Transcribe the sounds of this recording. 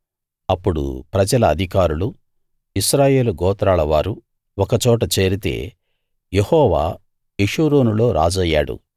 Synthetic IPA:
ɐpːuɽṵpɾɐd͡ʒɐlɐːd̪ʱikaːɾulu | iʃɾaːje̞ːluɡɔːt̪ɾaːlɐʋaːɾu | ɔkɐt͡ʃɔːʈɐt͡ʃe̞ːɾit̪e̞̰ː | jehɔːʋa̰ː | eʂuːɾoːnulo̞ːɾʔa̰ːd͡ʒɐjːaːɽṵ

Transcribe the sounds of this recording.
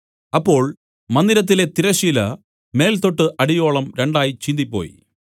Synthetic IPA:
ɐpːo̞ːɭ | mɐnd̪iɾɐt̪̬ːile̞t̪iɾɐɕiːlɐ̰ | me̞ːlt̪o̞ʈːɨʔɐɽijo̞ːɭɐmɾeɳɖaːjit͡ɕind̪ipːo̞̰ːjḭ

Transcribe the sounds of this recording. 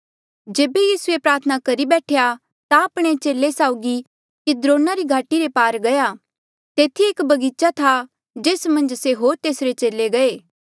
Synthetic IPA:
d͡ʒeːbejiːsuepɾaːɾt̪ʰənakɐɾibɛːʈʰeja | t̪aɐpɽ̃et͡ʃeːlesaːʊɡi | kid̪ɾõːnaɾiɡʱaːʈiɾepaːɾɡɐja | t̪eːt̪ʰieːkbɐɡiːt͡ʃat̪ʰa | d͡ʒeːsmɐ̃nd͡ʒseɦoːɾt̪eːsɾet͡ʃeːleɡɐeː

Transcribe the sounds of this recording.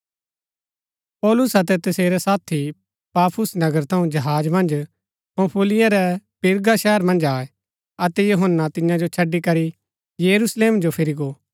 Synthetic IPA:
pɔːlʊsɐt̪ɛt̪ɐseːɾɛsaːt̪ʰi | paːpʰʊsnɐɡəɾt̪ʰɐ̃ũd͡ʒɐɦaːd͡ʒmɐ̃nd͡ʒ | pɐ̃pʰʊlɪjãɾɛpɪɾɡaʃɛːəɾmɐ̃nd͡ʒaːɛ | ɐt̪ɛjuɦənːat̪ɪ̃jãd͡ʒot͡ʃʰɐɖːikɐɾi | jɐɾusleːmd͡ʒopʰɪɾiɡoː

